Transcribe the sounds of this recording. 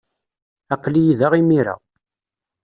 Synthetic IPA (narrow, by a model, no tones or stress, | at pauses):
æqlijiðaʁimiɾa̰